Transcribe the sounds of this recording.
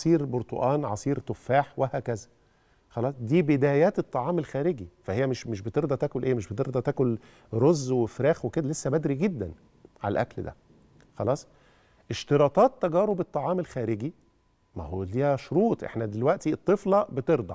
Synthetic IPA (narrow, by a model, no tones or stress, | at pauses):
ɑsˤiːɾboɾt̪ˤo̰ʔɑːnʕɑsˤiːɾt̪ofːæːħwehæːkæzæ | xɑlɑːsˤd̪iːbed̪æːjæːt̪et̪ˤːɑʕɑːmelxæːɾeɡifæhejːæmeʃmeʃbet̪eɾd̪ˤɑt̪æːkolʔeːmeʃbet̪eɾd̪ˤɑt̪æːkol | ɾozːwefɾæːxweked̪ælesːæbæd̪ɾiɡed̪ːæn | ʕa̰læ̰lʔæ̰kld̪æ̰ | xɑlɑːsˤ | ʔeʃt̪eɾˤɑːt̪ˤɑːt̪ːæɡæːɾobet̪ˤːɑʕɑːmelxæːɾeɡi | mæ̰holiːhæʃoɾuːt̪ˤʔḛħnæd̪elwæʔt̪iet̪ˤːeflɑbet̪eɾd̪ˤɑ